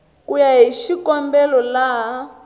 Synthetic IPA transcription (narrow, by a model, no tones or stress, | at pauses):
kujaɦiʃikɔmbɛlɔlaɦ